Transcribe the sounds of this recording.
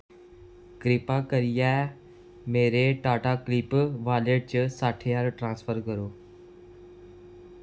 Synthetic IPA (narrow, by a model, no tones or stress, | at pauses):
kɾɪːpakəɾijaː | meːɾeʈaːʈakliːpʋaːleɖ̚t͡ɕəsaːʈʰejaɾʈɾãːnsfʰəɾkəɾoː